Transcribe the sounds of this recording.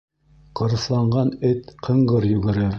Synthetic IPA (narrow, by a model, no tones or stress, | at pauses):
qɤ̆ɾɤ̆slˠɑɴɢɑnɘt̪qʰɤ̆ɴɢɤɾjʉ̆ɡɘ̆ɾɘɾ